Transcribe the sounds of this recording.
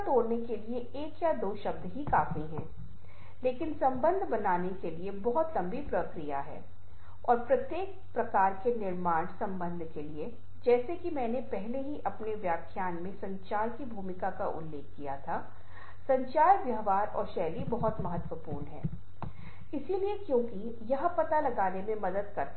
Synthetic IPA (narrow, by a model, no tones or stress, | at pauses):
t̪oːɾnekelie | eːkjad̪oːʃɐb̚d̪ʱɦikaːfiɦɛ̃ː | leːkɪnsɐ̃mbə̃nd̪ʱbɐnaːnekeliebɔɦʊt̪lɐ̃mbipɾɐkɾija̰ɦɛ̰ː | ɔːɾpɾɐt̪jeːk̚ | pɾɐkaːɾkenɪɾmaːɽ̃sɐ̃mbə̃nd̪ʱkelie | d͡ʒɛːsekimɛ̃ːnepɛɦleɦiʔɐpneʋjaːkʰjaːnmẽsɐ̃ɲt͡ʃaːɾkibʱuːmɪkaka̰ʔʊ̰lːeːkːijat̪ʰa | sɐ̃ɲt͡ʃaːɾʋjɐɦʋaːɾɔ̰ːɾʃɛːlibɐɦʊt̪mɐɦət̪wəpṵːɾnɦɛ̰ː | ɪsiliekjõːki | jɐɦpɐt̪alɐɡaːnemẽmɐd̪əd̪̚kɐɾt̪